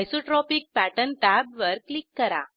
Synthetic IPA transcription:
jsoʈɾɔpik̚pæʈənʈ̪æbʋəɾklikːəɾa̰

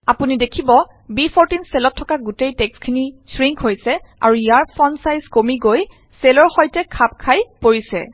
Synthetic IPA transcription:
apunidekʰibɔ | bipʰɔɹtinsɛlɔtʰːɔkaɡutejtɛkskʰinisɹiŋkɦojsɛa̰ɹuijaɹpʰɔnsajzkomiɡoj | sɛlɔɹxɔjtɛkʰap̚kʰajpoɹisɛ̰

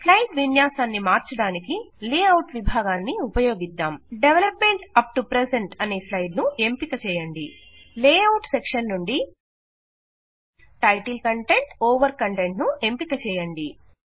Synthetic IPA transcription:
slɐjɖʋinjaːsaːnːimaːɾt͡ʃɐɽaːnikileːɐwʈʋibʱaːɡaːnːiupɐjo̞ːɡid̪ːaːmɖeʋelɐpme̞ɳʈɐp̚ʈupɾeseɳʈɐneːslɐjɖnue̞mpikɐt͡ʃɛːjɐɳɖi | leːɐwʈsekʂɐnːuɳɖi | ʈɐjʈilkɐɳʈe̞ɳʈɔːʋɐɾkɐɳʈe̞ɳʈnuʔe̞mpikɐt͡ʃɛːjɐɳɖi

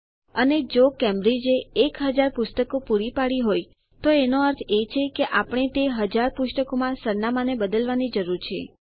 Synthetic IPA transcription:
əned͡ʒokɛmɾed͡ʒeːkɦəd͡ʒaɾpʊst̪əkopuɾipaɭiɦoj | t̪oenoəɾt̪ʰet͡ʃʰekeʔapɽ̃et̪eɦəd͡ʒaɾpʊʃʈəkomãsəɾnamanebəd̪əlʋanid͡ʒəɾuɾt͡ʃʰḛ

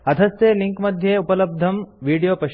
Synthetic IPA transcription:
ɐd̪ʱɐseliŋkmɐd̪ʱjeupɐləb̚d̪ʱɐmʋiːɽijopɐɕ

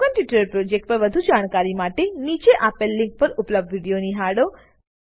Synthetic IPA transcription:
ənʈjɪʈɾəɾpɾod͡ʒek̚ʈ̚pəɾʋəd̪ʱud͡ʒaɽ̃kaɾimaʈenit͡ʃeʔapəlːɪŋk̚pəɾʊpləb̚dʋiɽijoniɦaɽo

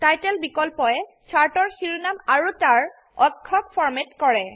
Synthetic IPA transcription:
tajtɛlbikɔlpɔɛ | t͡ʃʰaɹtɔɹxiɹunamaɹutaɹ | ɔkʰːɔkfʰɔɹmetkɔɹɛ

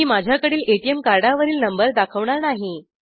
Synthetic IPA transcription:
iːmad͡ʑʱjakəɽiːleʈiemkaɾɖaʋəɾiːlnəmbəɾd̪akʰəʋɳaɾnaɦi

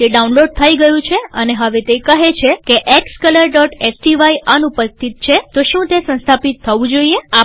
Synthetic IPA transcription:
t̪eɖaunloɖ̚t̪ʰaiɡəjũt͡ʃʰeəneɦəʋet̪ekəɦet͡ʃʰekeʔekskələɾɖɔʈesʈiʋaiʔənupəst̪ʰit̪̚t͡ʃʰet̪oʃũt̪esə̃nst̪ʰapit̪ʰːəʋũd͡ʒoiea

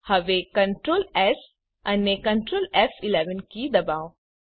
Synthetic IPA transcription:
hɐʋekɐ̃ɳʈɾoːlɛs | ɐnːekɐ̃ɳʈɾoːlɛfɪlɛʋənkid̪ɐbaːo

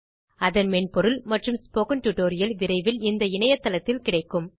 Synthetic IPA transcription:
ɐðɐnmɛnpɔɾɯlmɐʈrɯmspoːkɐnʈuʈoːɾɪjɐlʋɪɾɐɪʋɪlɪnd̪ɐɪɳɐjɐt̪ːɐlɐt̪ːɪlkɪɽɐɪkːɯm

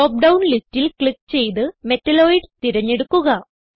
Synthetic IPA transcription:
oːp̚ɖɐwnlistːilkɭikːt͡ɕe̞jt̪ɨme̞tːɐlo̞ːjiɖt̪iɾɐɲːe̞ɽukːuɣɐ

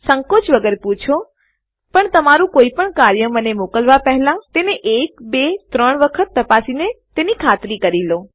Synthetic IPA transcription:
səŋkot͡ʃʋəɡəɾeput͡ʃʰo | pəɳt̪əmaɾũkoipəɳkaɾjəmənemokəlʋapɛɦlãt̪eneʔekbet̪ɾəɳ̃ʋəkʰət̪ːəpasinet̪enikʰat̪ɾikəɾilo

